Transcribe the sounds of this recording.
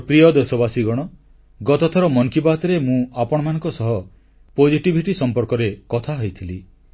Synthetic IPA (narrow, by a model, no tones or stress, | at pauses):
pɾijɔd̪esɔbasiɡɔɽ̃ɔ | ɡɔt̪ɔt̪ʰɔɾɔmɔŋkibat̪ɔɾemũapɔɽ̃ɔmanɔ̃ŋkɔsɔɦɔ | pod͡ʒʱiʈibʱiʈisɔmpɔɾkɔɾekɔt̪ʰaɦɔjt̪ʰili